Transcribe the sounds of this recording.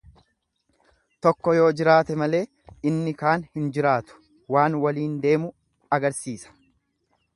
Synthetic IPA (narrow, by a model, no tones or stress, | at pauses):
t̪ɔkːɔjo̞ːd͡ʒɪɾaːt̪ɛmɐle̞ː | ɪnːɪkaːnhɪnd͡ʒɪɾaːt̪ʊ̥ | waːnwɐliːnd̪e̞ːmʊ | ɐɡɐɾsiːsɐ̥